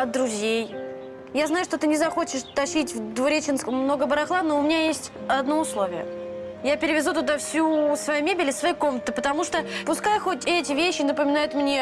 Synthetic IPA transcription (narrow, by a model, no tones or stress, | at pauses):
ɐt̪d̪ɾʊzʲej | jaznajʊʂt̪o̞t̪ɨnʲɪzɐxo̞t͡ɕɪʂt̪ɐɕitʲvd̪vʊɾʲet͡ɕɪnskəmːno̞ɡəbəɾɐxlˠanoʊmʲɪnʲajesʲtʲɐd̪no̞ʊslˠo̞vʲɪjə̰japʲɪɾʲɪvʲɪzut̪ʊd̪afsʲusvɐjumʲebʲɪlʲɪsvɐjiko̞mnət̪əpət̪ɐmuʂt̪opʊskajxo̞tʲɛtʲɪvʲeɕːɪnəpəmʲɪnajʊt̪mnʲe